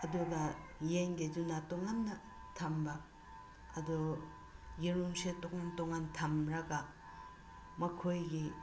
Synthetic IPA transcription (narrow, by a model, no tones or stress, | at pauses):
ɐduɡɐjeŋɡed͡ʒunatoŋanːɐ | tʰɐmbɐ | ɐdu | jiɾuŋsetok̚ŋantɔŋantʰɐmɾɐɡɐ | mɐkʰojɡi